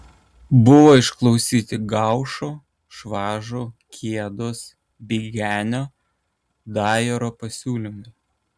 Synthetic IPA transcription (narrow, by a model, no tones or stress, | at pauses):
bʊʋoːɪʃklˠɔʊsʲiːt̪ʲɪɡɑˑʊʃoː | ʃʋɑːʒoːkʲʰiɛd̪oːs | bʲiːɡʲæːnʲoː | d̪ɑːjɛɾoːpɐsʲuːlʲɪmʊɪ